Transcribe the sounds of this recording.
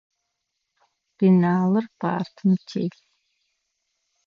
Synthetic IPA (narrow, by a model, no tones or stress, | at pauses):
b̥inaːlɨrpa̰ːrt̪ʰɨmt͡ʃʰeːɬ